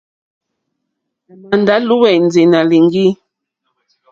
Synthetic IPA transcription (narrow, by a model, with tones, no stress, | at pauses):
ma˨nda˨˦lu˦wɛ˨n˨d͡ze˨na˨li˨ŋ˦ɡi˦